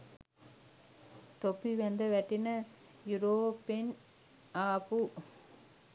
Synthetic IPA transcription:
t̪opːiʋɐnd̪ɐʋɛʈːinɐ | juɾoːpːen | aːpu

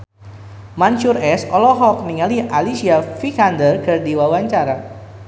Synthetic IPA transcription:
mant͡ʃʊrɛsɔlɔɦɔk̚niŋaliʔalisiafikandərkɨrdiwawaɲt͡ʃaɾa

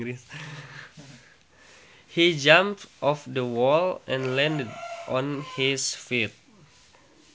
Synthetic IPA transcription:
is | hid͡ʒãmptʔɔfdəwɔlɛ̃nlɛ̃ndədʔɔ̃nhisfit̚

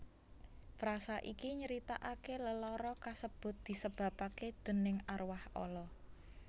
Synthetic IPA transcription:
fɾasaʔikiɲəɾit̪aʔakeləlɔɾɔkasəb̥ʊ̤t̪̚d̪̥i̤səb̥a̤paked̪̥ə̤nɪŋarwahɔ̰lɔ

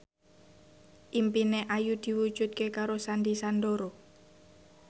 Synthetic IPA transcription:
ʔimpineʔajud̪̥i̤wud̥ʒ̥ṳt̪̚kekaɾosand̪isand̪oɾo

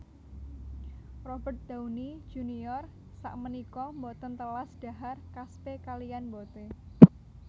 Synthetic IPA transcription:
rɔb̥ərt̪̚d̪̥auni̥d͡ʒ̥unijɔr | sa̰ʔmənikɔmbɔt̪ənt̪əlasd̥a̤ɦarkaspekalijanmbot̪e

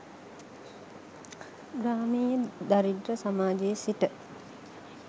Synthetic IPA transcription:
ɡɾaːmejəd̪aɾiɖrəsamaːd͡ʒejəsiʈə

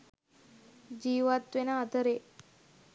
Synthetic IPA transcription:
d͡ʑiːʋat̪ʋenaːt̪əɾe

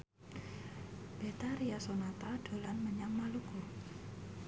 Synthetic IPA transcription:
b̥et̪aɾiasonat̪aɖ̥o̤lanməɲaŋmaluɡ̥u

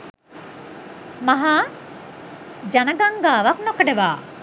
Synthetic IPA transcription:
mɐɦaː | d͡ʒɐnɐɡɐŋɡaːʋɐknokɐɖeʋaː

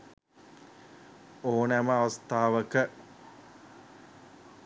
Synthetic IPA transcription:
oːnæməaʋɐst̪aːʋəkə

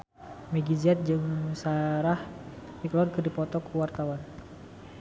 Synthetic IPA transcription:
mɛɡizat̪̚d͡ʒɨŋsaɾah | diklɔrkɨrdipɔt̪ɔkuwart̪awan

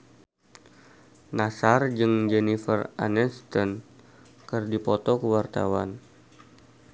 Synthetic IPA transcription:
nasard͡ʒɨŋd͡ʒɛnifəra̰nɛnst̪ən | kɨrdipɔt̪ɔkəwart̪a̰wa̰n

